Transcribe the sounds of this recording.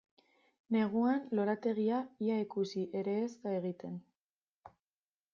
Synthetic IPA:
ne̞ɣ̞uanlo̞ɾat̪e̞ɣ̞iaiaikusiʔe̞ɾe̞ːstaeɣ̞it̪e̞n

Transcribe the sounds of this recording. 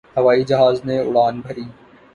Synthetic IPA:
hɐʋaːid͡ʒɐɦaːznẽːʊ̰ɽaːnbʱəɾiː

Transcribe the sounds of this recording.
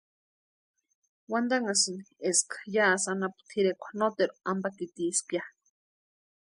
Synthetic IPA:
wand̪aŋasɨnieskḁjaʔsanapu̥t̪ʰiɾekʷʰḁnot̪eɾuambakit̪iskja

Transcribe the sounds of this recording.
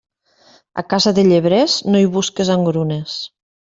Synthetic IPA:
a̰kazaðeʎeβɾɛznojβuskezaŋɡɾunes

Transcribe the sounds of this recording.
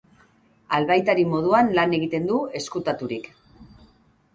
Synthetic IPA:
alβajt̪aɾimo̞ð̞uanlane̞ɣ̞it̪e̞nd̪ue̞skut̪at̪uɾik

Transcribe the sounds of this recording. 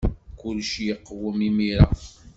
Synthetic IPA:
kʊlʃjəqːwəmimiɾa̰

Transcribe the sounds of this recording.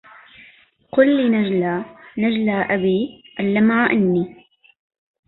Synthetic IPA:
qʊlːinad͡ʒlaːnad͡ʒlaːʔabiːʔalːamaːʔɪnːiː

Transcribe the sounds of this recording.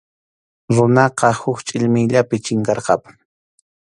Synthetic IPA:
ɾʊnɑqɑhʊkt͡ʃʼɪʎmɪjʎapɪt͡ʃɪŋkɑɾqɑ̰pʊ̥ŋ

